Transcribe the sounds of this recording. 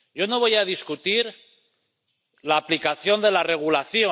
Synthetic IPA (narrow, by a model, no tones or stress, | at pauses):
ɟ͡ʝo̞no̞βo̞jaðiskut̪iɾ | laːplikaθjo̞nd̪e̞lare̞ɣ̞ulaθjo